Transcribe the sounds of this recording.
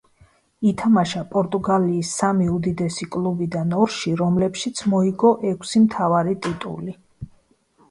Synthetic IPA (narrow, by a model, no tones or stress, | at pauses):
it̪ʰamaʃapʼɔɾt̪ʼuɡaliːsːamiud̪id̪ɛsikʼlˠubid̪anɔɾʃiɾɔmlɛpʃit̪sʰmɔiɡɔʔɛkʷʰsimt̪ʰavaɾit̪ʼit̪ʼṵli